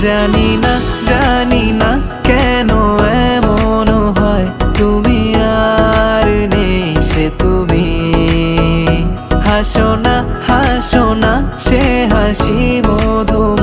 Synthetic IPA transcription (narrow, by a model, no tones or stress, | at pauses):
d͡ʒaninad͡ʒanina | kɛnoɛmonoɦɔet̪umiaɾneʃet̪umi | haʃonahaʃonaʃeɦaʃimod̪ʱo